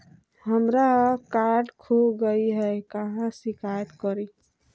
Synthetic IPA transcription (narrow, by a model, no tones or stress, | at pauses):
həmɾakaɾɖkʰoɡəiɦɛkəɦãsikʰajət̪kəɾi